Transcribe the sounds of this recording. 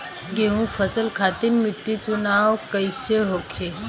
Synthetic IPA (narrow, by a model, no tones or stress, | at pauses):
ɡeɦũfʰəsəlkʰat̪inmiʈːit͡sunaːwkəjsəɦokʰe